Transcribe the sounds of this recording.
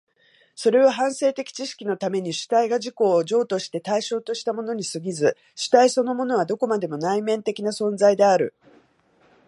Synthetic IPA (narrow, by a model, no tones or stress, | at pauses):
so̞ɾe̞βaɦãɰ̃se̞ːt̪e̞kʲi̥t͡ɕiɕi̥kʲino̞t̪ame̞ɲ̟iɕɨ̥t̪aiɡaʑiko̞ːʑo̞ːt̪o̞ɕi̥t̪e̞t̪aiɕo̞ːt̪o̞ɕi̥t̪amo̞no̞ɲ̟isɨɡʲizɨ | ɕɨ̥t̪aiso̞no̞mo̞no̞β̞ad̪o̞ko̞mad̪e̞mo̞naimẽ̞nt̪e̞kʲinasõ̞nzaid̪e̞aɾɯ̟̰